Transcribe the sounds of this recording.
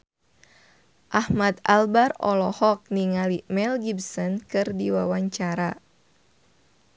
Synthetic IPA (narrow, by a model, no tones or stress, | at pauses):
ʔahmad̪albarɔ̰lɔhɔk̚niŋalimɛlɡibsɔnkɨrdiwawaɲt͡ʃaɾa